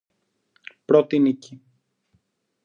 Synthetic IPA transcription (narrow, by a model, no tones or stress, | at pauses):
pɾot̪inici